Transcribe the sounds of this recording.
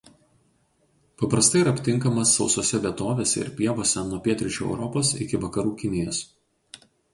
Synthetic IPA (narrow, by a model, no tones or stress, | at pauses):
pɐpɾɐst̪ɐɪɾɐpʲt̪ʲɪŋˑkɐmɐsːɒʊsoːsʲɛʋʲiɛt̪oːʋʲeːsʲɛ̰ɪ̰ɾpʲiɛʋoːsʲɛnuɔpʲiɛt̪ʲɾʲɪt͡ʃʲuːɛ̰ʊɾɔpoːsɪ̰kʲɪʋɐkɐɾuːkʲɪnʲɪjos